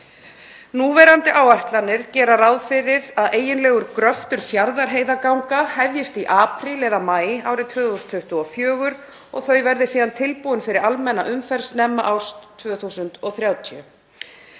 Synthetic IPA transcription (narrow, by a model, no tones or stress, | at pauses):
nuːvɛɾant̪ɪʔaːwajht̪lanɪɾ̥cɛːɾaɾawðfɪɾɪɾaðeːjɪnlɛːɣʏɾkɾœft̪ʏɾ̥θjaɾðaɾ̥ɦeːjðakawŋkahɛvjɪst̪iʔaːpʰɾilɛðamaːjɪaːwɾɪt̪ʰvœːθusnt̪ʰʏht̪ʏɔfjœːɣʏɾ | ɔ̰ɣθœɥjvɛɾðɪsiːðant̪ʰɪlpuðʏnfɪɾɪɾalmɛnːaʔʏmfɛɾ̥snɛmːaʔawst̪ʰːvʏːθusʏnt̪ɔθɾjawt̪ʰjʏ